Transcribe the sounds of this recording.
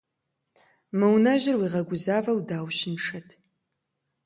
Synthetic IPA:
mɨwnɐʒɪrwiːʁɐɡʷʊzaːvɐwdaːwʃɪnʂɐtʰ

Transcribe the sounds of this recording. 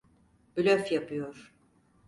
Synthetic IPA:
bylʲøfjapʰɯjoɾ̥

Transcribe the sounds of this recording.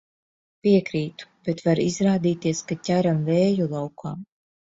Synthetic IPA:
piɛkɾiːt̪u̥b̥et̪vaɾizɾaːd̪iːt̪iɛskatʲaɾamvɛːjulˠawkʰaːm

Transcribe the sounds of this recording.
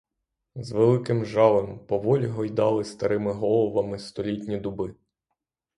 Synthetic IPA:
zʋelˠɪkɪmʒɑlˠɪmpɔʋɔlʲɦɔjd̪ɑlˠɪst̪ɐɾɪmɪɦɔlˠɔʋɐmɪst̪ɔlʲitʲnʲid̪ʊbɪ

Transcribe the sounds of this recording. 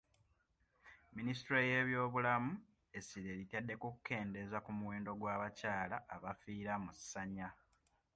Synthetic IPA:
ministɾoje̞βjo̞ːβulamu | e̞siɾeɾitjadːe̞kukukːe̞ːnde̞zakumuweːndo̞ɡwaːβacaːlaːβafiːɾamusːaɲa

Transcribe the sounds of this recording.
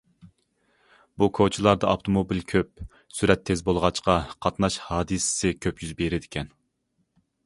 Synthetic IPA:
bukʰot͡ʃʰilˠɑɾd̪ɑɑft̪ʰomobilkʲʰøp̚ | syɾɛt̪ʰːezbolˠʁɑt͡ʃqɑqʰɑt̪nɑʃhɑːd̪ɨsɪ̥sɪkʲʰøpjyzbeɾɪd̪ɪkʲʰɛn

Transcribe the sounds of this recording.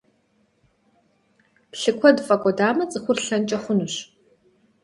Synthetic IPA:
pɬɨkʷʰɔdfʼɐkʷʼɔdaːmɐt͡sʼɨxʷʊrɬɐnt͡ʃʼɐχʷʊnuɕ

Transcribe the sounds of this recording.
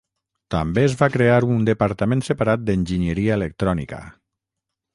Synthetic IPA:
t̪a̰mbeːzβakɾeaɾund̪əpaɾt̪amẽnsəpaɾat̪̚d̪ənʲʒiɲəɾiaelək̚t̪ɾɔnḭkə̰

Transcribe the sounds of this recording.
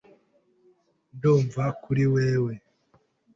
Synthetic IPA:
nduːɱvakuɾiweːwe

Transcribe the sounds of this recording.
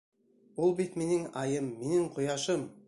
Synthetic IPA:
wolˠbit̪menɪŋɑjəmːenɪŋqʰʊjɑʃəm

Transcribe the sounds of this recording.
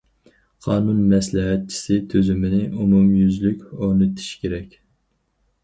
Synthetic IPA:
qʰɑːnunmɛslɪɦɛt̪̚t͡ʃʰi̥sɪt̪ʰøzymɪnɪʔumumjyzlykʲoʁnɨt̪ʰi̥ʃkʲʰeɾɛkʲ

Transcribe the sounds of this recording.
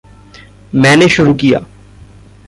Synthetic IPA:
mɛ̃ːneʃʊɾukija̰ː

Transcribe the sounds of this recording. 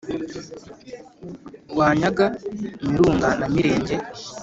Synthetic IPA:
waːɲaɡamiɾuːŋɡanamiɾe̞ːɲɟe

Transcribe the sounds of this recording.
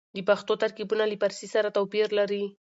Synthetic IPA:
d̪əpaxt̪ot̪aɾkibunalipaɾsisaɾat̪awpiɾlaɾi

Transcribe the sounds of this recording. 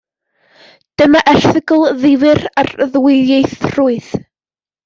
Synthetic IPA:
d̥əmaʔɛrθɪɡəlˠðɪvɨrarðwɪjejθr̥uːɨð

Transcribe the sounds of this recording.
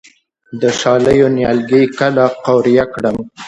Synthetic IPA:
d̪əʃɑləjonjɑlɡijkalaqawɾijakɽəm

